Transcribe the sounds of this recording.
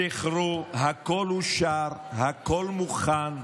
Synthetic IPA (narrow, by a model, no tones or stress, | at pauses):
eχɾoɦakoluʃaɾhakolmuχan